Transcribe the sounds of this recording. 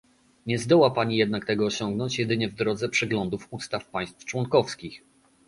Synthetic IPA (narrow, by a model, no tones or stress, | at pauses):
ɲɛzd̪ɔwapaɲijɛd̪nakt̪ɛɡɔːɕɔŋɡnɔɲt͡ɕjɛd̪ɘɲɛvd̪ɾɔd̪zɛpʂɛɡlɔnd̪ufust̪afpaj̃st̪ft͡ʂwɔnkɔfskʲix